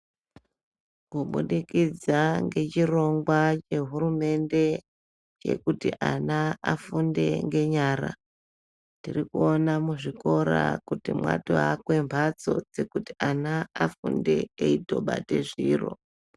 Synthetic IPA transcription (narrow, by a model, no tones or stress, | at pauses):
kuɓuɗikid͡zaŋɡe̞t͡ʃiro̞ŋɡwat͡ʃe̞ɦuɾume̞nde̞ | t͡ʃe̞̰kutiʔanaafunde̞̰ŋɡe̞ɲaːɾa̰ | tirikuonamuʐiko̞ɾa̰kutimwa̰toɦakwe̞mbʱat͡so̞d͡zekuti̥anaafunde̞eito̞ɓa̰te̞ʐiːro̞̰